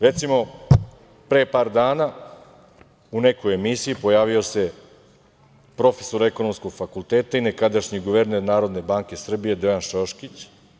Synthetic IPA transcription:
ɾe̞t̪simo̞ | pɾeːpaːɾd̪aːna | une̞kojemisijipo̞jaːʋio̞se̞ | pɾo̞fe̥so̞ɾeko̞no̞mskoɡ̥fakulˠt̪eːt̪ainekad̪aʃɲiɡoʋe̞ɾne̞ɾnaːɾo̞d̪ne̞baːŋke̞sr̩bije̞d̪ojanʃoʃkit͡ɕ

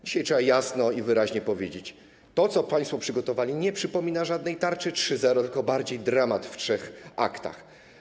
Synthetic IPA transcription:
d͡ʑiɕajtʂɛbajasnɔivɘɾaʑɲɛpɔvʲjed͡ʑet͡ɕ | t̪ɔt̪sɔpaj̃st̪fɔpʂɘɡɔt̪ɔvalʲiɲɛpʂɘpɔmʲinaʐad̪nɛjt̪aɾt͡ʂɘtʂɘzɛɾɔt̪ɘlkɔbaɾd͡ʑejd̪ɾamat̪ftʂɛxʔa̰kt̪a̰x

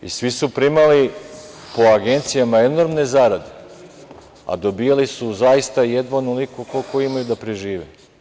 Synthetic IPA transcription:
ḭsʋisupɾimali | po̞aɡe̞nt̪sijamae̞no̞ɾmne̞zaɾad̪e | a̰d̪o̞bijalisuzajist̪ajed̪ʋanulikukokojiimajud̪apɾeʒiːʋḛ

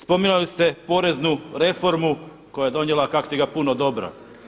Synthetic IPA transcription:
spo̞minulist̪e̞po̞ːɾe̞znuɾe̞fo̞ɾmu | ko̞jaje̞d̪o̞njelˠakako̥t̪iɡapunod̪o̞bɾa̰

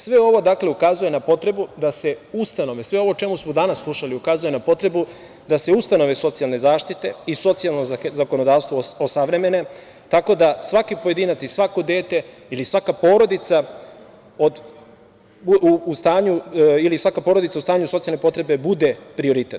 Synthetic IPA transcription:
sʋe̞o̞ʋo̞d̪akle̞ukazuje̞napo̞t̪ɾe̞bud̪ase̞ust̪ano̞ʋesʋe̞o̞ʋo̞t͡ʃe̞musmod̪anasːlˠuʃaliukazuje̞napo̞t̪ɾe̞bu | d̪ase̞ust̪ano̞ʋeso̞t̪sialˠne̞zaːʃt̪it̪e̞iso̞t̪sialˠnozako̞no̞d̪aːst̪ʋoosaʋɾe̞me̞ne̞ | t̪ako̞d̪asʋakipo̞je̞d̪iːnat̪sisʋako̞d̪e̞ːt̪e̞ | ilisʋakapo̞ːɾo̞d̪it̪sa | od̪ | ust̪aːɲuilisʋakapo̞ːɾo̞d̪it̪aust̪aːɲusoijalne̞po̞t̪ɾe̞be̞bud̪e̞pɾio̞ɾit̪et̪

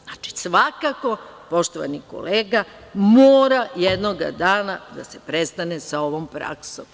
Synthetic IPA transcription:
znat͡ʃi̥sʋakako̞ | po̞ʃt̪oʋa̰niko̞̰leːɡa | moːɾajed̪no̞ɡa̰d̪aːnad̪asepɾe̞st̪anesao̞ʋompɾa̰ksom

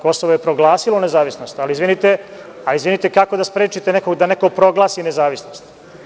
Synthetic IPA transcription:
ko̞soʋojepɾo̞ɡlˠaːsilone̞zaːʋisnost̪aliizʋinit̪e | aizʋinit̪ekako̞d̪aspɾeːt͡ʃit̪eneko̞ɡd̪ane̞ko̞pɾo̞ɡlˠaːsinezaːʋisnost̪

